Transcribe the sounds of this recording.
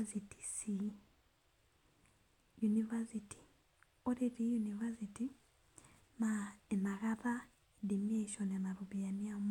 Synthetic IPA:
siti̥si | junivasiti̥ | oɾetijunivasiti | maemaɣaða | dimieʃɔnenaɾuβianiam

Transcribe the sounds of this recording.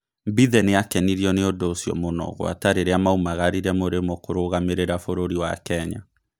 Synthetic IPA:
mbiðɛneakɛniɾiɔneodoːsjɔ̰monɔ̰ɣw̰a̰taɾeɾeamaumaɣaɾiɾɛmoɾemɔkoɾoɣameɾeɾafoɾoɾiwa̰kɛɲa̰

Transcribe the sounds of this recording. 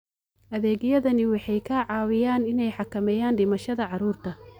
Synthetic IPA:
ʔɐðɛːɣjɐðɐnɪwɑħɑjkʰaːʕɑːwɪjaːnɪnɛjħɑkʰɐmɛjaːnɖɪmɐʃɐðɐʕɑɾuːrt̪ʰɐ

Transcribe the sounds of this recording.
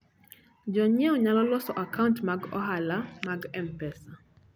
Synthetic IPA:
d͡ʒɔɲɛɔɲalɔlwɔsɔʔakauntmaɡɔ̰ɦalamaɡɛmpɛsa

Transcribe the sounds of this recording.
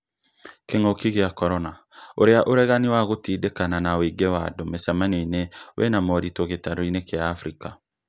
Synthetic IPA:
keŋokiɣeakɔɾɔna | oɾeaʔoɾɛɣaniwaɣotiːdekananaweɡewadomesamanenewʔɛ̰namɔɾitoɣetaɾoinekeaːfɾika

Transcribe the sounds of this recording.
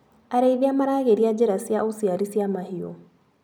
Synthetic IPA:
aɾeiðiamaɾaːɣeɾiad͡ʑeɾasiaʔosiaɾisiamahio̰

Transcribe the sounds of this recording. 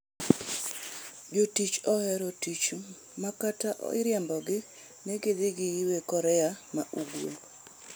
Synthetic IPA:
d͡ʒotit͡ʃɔhɛɾotit͡ʃu | makataʔɔ̰ɪɾjɛmbɔɡɪ | nɛɡed̪ɪɡɪjiwekɔɾɛamaʔuɡwo̰

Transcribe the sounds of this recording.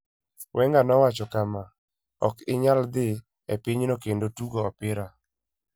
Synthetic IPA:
wʔɛŋɡanɔwat͡ʃɔkama | ɔ̰kɪɲald̪ɪ | ɛpɪɲnokendotuɡoɔpɪɾa

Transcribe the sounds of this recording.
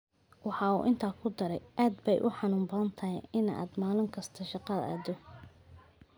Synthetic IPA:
wɑħɑːṵːʔɪnt̪ʰaːkʰʊd̪ɐɾɛjʔaːd̪bɛjʔʊ̰ħɑnuːmbɐðɐnt̪ʰɐɦɛʔɪna̰ːd̪maːlʊmkʰɐst̪ʰɐʃɑqɑðɐ̰ʔaːd̪ɔ

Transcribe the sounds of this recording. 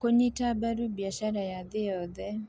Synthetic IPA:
koɲitabaɾubiaʃaɾajaðɪjɔðɛ

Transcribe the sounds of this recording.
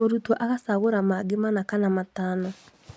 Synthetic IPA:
oɾutwɔʔaɣasaɣoɾamaɡemanakanamataːnɔ

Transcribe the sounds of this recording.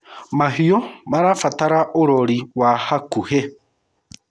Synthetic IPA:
maɦiomaɾafataɾaʔoɾoɾiwahakuhe

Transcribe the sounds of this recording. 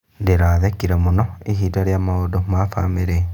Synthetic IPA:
ndeɾaːðekiɾemonɔiɦiːdaɾjaːmaodomafa̰meɾe

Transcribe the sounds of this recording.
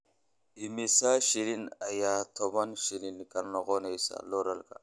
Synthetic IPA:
imisaʃiɾinajat̪ʰobanʃininkalnoɣonejsa̰loɾalka̰

